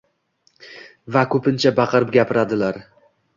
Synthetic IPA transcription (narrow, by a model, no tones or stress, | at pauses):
vakʰɵpʰɪnt͡ʃʰabɑqʰɨɾɪp̚ɡʲapʰɪɾad̪ɪlaɾ